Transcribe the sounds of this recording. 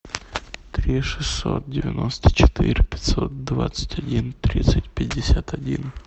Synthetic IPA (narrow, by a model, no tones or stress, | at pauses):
t̪ɾʲiʂɨsʲːo̰t̪̚dʲɪvʲɪno̞st̪ə̥t͡ɕɪ̥t̪iɾʲɪpʲɪ̥tʲsot̪̚d̪va̰t̪sə̥tʲɐdʲint̪ɾʲit̪sɨtʲpʲɪdʲːɪsʲat̪ɐdʲin